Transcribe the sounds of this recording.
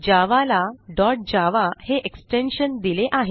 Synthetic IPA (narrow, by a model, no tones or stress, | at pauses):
d͡ʑaʋalaɖɔɾʈ̚d͡ʑaʋaheʔeksʈenɕənd̪ileʔaɦe